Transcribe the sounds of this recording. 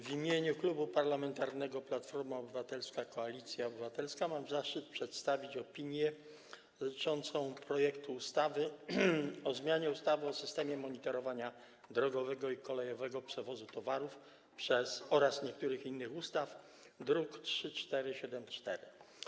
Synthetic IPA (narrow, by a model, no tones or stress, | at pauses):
vʲimʲjeɲuklubupaɾlamɛnt̪aɾnɛɡɔplat̪fɔɾmaɔbɘvat̪ɛlskakɔalʲit̪sʲjaɔbɘvat̪ɛlskamamzaʂt͡ʂɘt̪̚pʂɛt̪st̪avʲit͡ɕɔpʲiɲjɛ | ʐɘt͡ʂɔnt̪sɔ̃w̃pɾɔjɛkt̪uːst̪avɘ | ɔzmʲjaɲɛust̪avɘɔsɘst̪ɛmʲjɛmɔɲit̪ɔɾɔvaɲa | d̪ɾɔɡɔvɛɡɔikɔlɛjɔvɛɡɔpʂɛvɔzut̪ɔvaɾuf | pʂɛsɔɾasɲɛk̚t̪uɾɘxinːɘxust̪af | d̪ɾuktʂɘt͡ʂt̪ɛɾɘɕɛd̪ɛmt͡ʂt̪ɛɾɘ